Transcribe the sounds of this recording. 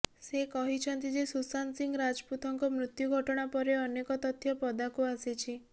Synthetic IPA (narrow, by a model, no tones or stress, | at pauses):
sekɔɦit͡ʃʰɔnt̪id͡ʒesusansiŋɡɾad͡ʒput̪ʰɔŋkɔmɾut̪juɡʱɔʈɔɽ̃apɔɾeɔnekɔt̪ɔt̪ʰːjɔpɔd̪akuasit͡ʃʰi